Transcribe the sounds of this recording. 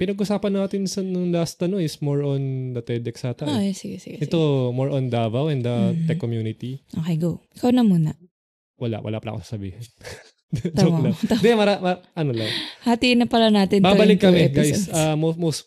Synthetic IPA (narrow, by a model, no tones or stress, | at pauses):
pɪnɐɡʔʊsaːpɐnːaːt̪ɪnsɐnʊŋlaːst̪ɐnoɪsmoɹond̪ɐt̪ɛd̪ɛksaːt̪ɐojɛsɪɡɛsɪɡʔɛt̪omoɹʔond̪avɐwɛnd̪ɐt̪ɛkːomjuːnɪt̪iʔoːkejɡoɪkɐwnɐmuːnɐ | wɐla̰ʔwʔɐ̰lapɐlʔa̰kosḁsɐbḭːhɛn | olɐd̪ɛmɐɾamɐʔɐnolɐ̰ŋhat̪inɐpɐlɐnaːt̪ɪnbaːbɐlɪkːɐmɛɡajsʔamomos